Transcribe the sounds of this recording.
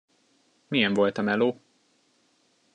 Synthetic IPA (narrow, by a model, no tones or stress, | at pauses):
mijɛɱvo̞lt̪ɒmɛloː